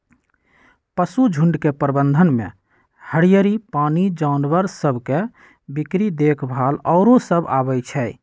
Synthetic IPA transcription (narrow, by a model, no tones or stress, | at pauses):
pəsud͡ʒʱuɳɖkepɾəbənd̪ʱənmḛ | həɽijəɾipanid͡ʒaʊnbəɾsəbʱke | bikɾid̪ekʰbʱalɔʊɾosəba̰bəjt͡ʃʰɛ